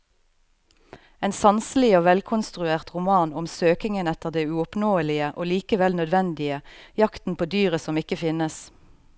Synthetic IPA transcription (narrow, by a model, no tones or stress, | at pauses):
eːnsɑnsəlɪoːʋɛlkʰʊnst̪ʁʉeːʁt̪ʁʊmɑːnɔmsøːkɪŋənɛt̪əʁd̪eːʉɔpnoːəlɪəʔoːliːkəʋɛlnœd̪ʋɛnd̪ɪəjɑkt̪n̩pʰoːd̪yːʁəsɔmɪkəfɪnəs